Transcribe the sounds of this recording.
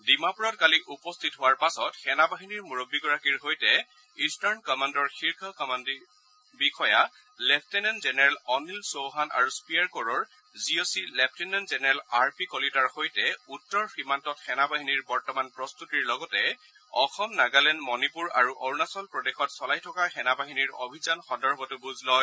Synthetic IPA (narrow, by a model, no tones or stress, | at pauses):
dimapuɹɔtkaliʔupɔstʰitɦʊwaɹpasɔtxɛnabaɦiniɹmuɹobːiɡɔɹakiɹɦojtɛ | istaɹnkɔmandɔɹxiɹkʰakɔmandi | bixʰɔja | lɛp̚ʰtɛnɛnzɛnɛɹɛlɔnilsowɦana̰ɹuspijaɹkɔɹɔɹ | ziosilɛp̚ʰtɛnɛnzɛnɛɹɛlaɹpikɔlitaɹxojtɛutːɔɹxɹimantɔtxɛnabaɦiniɹbɔɹtɔmanpɹɔst̪utiɹlɔɡɔtɛ | ɔxɔmnaɡalɛnmɔnipuɹaɹuʔɔɹnasɔlpɹɔdexɔtsɔlajtʰɔkaxɛnabaɦiniɹo̰bʱizanxɔndɔɹbʱɔtʊbuznɔj